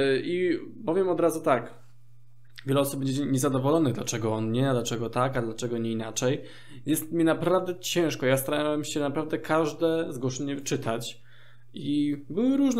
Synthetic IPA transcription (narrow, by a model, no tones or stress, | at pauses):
ibɔvʲjɛmɔd̪ɾazut̪ak | vʲjɛlɛɔsupbɛɲɛɲɛzad̪ɔvɔlɔnɘɣd̪lat͡ʂɛɡɔɔnɲɛd̪lat͡ʂɛɡɔt̪akad̪lat͡ʂɛɡɔɲɛinat͡ʂɛj | jɛst̪mʲjinapɾavd̪ɛt͡ɕɛ̃w̃ʂkɔjast̪aɾawɛmɕɛnapɾavd̪ɛkʰaʐd̪ɛzɡwɔʂɛɲɛt͡ʂɘt̪ʰat͡ɕ | ibɘwɘɾuʐn